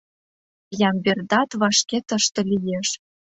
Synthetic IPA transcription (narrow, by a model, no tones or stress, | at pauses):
jɑmberd̪ɑt̪βɑʃket̪ə̆ʃt̪ɤ̆lijeʃ